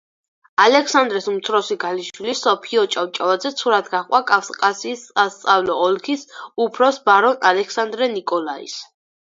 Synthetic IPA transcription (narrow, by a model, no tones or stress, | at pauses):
alɛksand̪ɾɛsumt̪sʰɾɔsiɡaliʃwilisɔpʰiɔt͡ʃʼawt͡ʃʼavad̪zɛt̪sʰuɾad̪ɡaχqʼwakʼafsqʼasiːsast̪sʼavlɔːlkʰisupʰɾɔsbaɾɔnalɛkʰsand̪ɾɛnikʼɔlaḭs